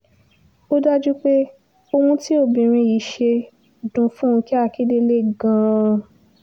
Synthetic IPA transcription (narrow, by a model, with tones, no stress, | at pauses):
o˦da˦d͡ʒu˦k͡pe˦ | o˧hũ˧ti˦o˦˨bĩ˨ɾ̃ĩ˧ji˨˦ʃe˧ | dũ˨fũ˦ũ˧ki˦a˦˧˨ki˦de˦le˦ɡã˧